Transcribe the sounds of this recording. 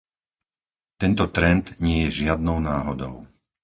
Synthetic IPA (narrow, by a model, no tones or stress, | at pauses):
t̪ɛnt̪ɔt̪ɾɛnd̪ɲɪɛjɛʒɪad̪nɔʊnaːɦɔd̪ɔ̰ʊ